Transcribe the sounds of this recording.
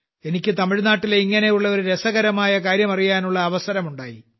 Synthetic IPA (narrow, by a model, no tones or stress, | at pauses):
e̞nikʲːɨt̪ɐmiɻnaːʈːileiŋːɐne̞juɭːɐo̞ɾuɾe̞sɐɣɐɾɐmaːjɐkaːɾjɐmɐrijaːnuɭːɐːʋɐsɐɾɐmuɳɖa̰ːji